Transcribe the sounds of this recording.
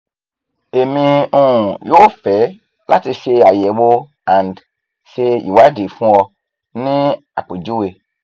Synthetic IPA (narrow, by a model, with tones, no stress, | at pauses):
e˨mĩ˨ũ˦˨jo˦fɛ˨˦ | la̰˦ti˧se˧a˨jɛ˨˦bo˦ | ã˨nd | se˧jḭ˨wa˦de˨fũ˦ɔ˧ | nĩ˦ | a̰˨k͡po˨d͡ʒu˦we˨